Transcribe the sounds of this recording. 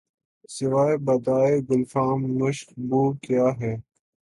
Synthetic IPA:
sɪʋaːebɐd̪aːeɡʊlfaːmnʊʃqbuːkjaːɦɛː

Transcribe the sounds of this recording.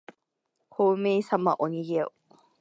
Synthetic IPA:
kʰoːmeːsamaʔoɲ̟iɡeo

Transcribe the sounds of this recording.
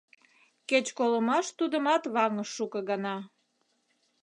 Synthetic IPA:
ket͡ɕkoləmɑʃt̪ud̪əmɑt̪βɑŋəʃːukə̆ɣɑnɑ

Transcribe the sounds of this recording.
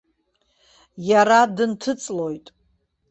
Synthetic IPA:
jaɾadɨntʰɨt͡sʼlo̞jtʼ

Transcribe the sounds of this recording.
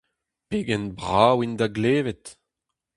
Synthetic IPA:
peːɡɛnbʁaːwind̪aɡleːvɛt̪

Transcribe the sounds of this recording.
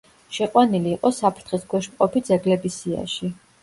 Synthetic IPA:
ʃɛqʼwaniliːqʼɔsapʰɾt̪ʰχisɡʰwɛʃmqʼɔpʰid̪zɛɡlɛbisia̰ʃi

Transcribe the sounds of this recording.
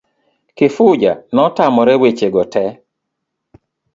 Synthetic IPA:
kɪfʊd͡ʒa̰nɔtamɔɾɛwet͡ʃeɡɔtɛ

